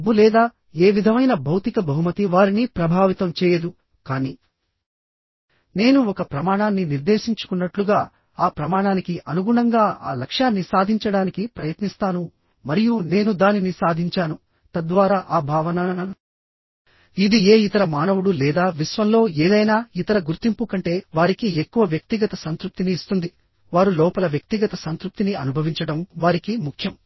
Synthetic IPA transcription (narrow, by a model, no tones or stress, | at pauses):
bːulɛːd̪aː | e̞ːʋid̪ʱɐmɐjnɐbʱɐwt̪ikɐbʱɐɦumɐt̪iʋaːɾinipɾɐbʱaːʋit̪ɐmt͡ʃɛːjɐd̪u | kaːniː | ne̞ːnuɔkɐpɾɐmaːɳaːnːiniɾd̪e̞ːʃiɲt͡ʃu̥kunːɐʈluɡaː | aːpɾɐmaːɳaːnikiʔɐnuɡuɳɐŋɡaːa̰ːlɐkʂaːnːisaːd̪ʱiɲt͡ʃɐɽaːnikipɾɐjɐt̪nist̪aːnu | mɐɾijune̞ːnud̪aːninisaːd̪ʱiɲt͡ʃaːnu | t̪ɐd̪ʋaːɾaːʔaːbʱaːʋɐna | id̪ie̞ːit̪ɐɾɐmaːnɐʋuɽulɛːd̪aːʋisʋɐmlo̞ːeːd̪ɐjnaːit̪ɐɾɐɡuɾt̪impukɐɳʈe̞ːʋaːɾikiekːuʋɐʋjɐk̚t̪iɡɐt̪ɐsɐnt̪ɾup̚t̪iniːst̪und̪i | ʋaːɾulɔːpɐlɐʋjɐk̚t̪iɡɐt̪ɐsɐnt̪ɾup̚t̪iniɐnubʱɐʋiɲt͡ʃɐɽɐmʋaːɾikimukʰjɐm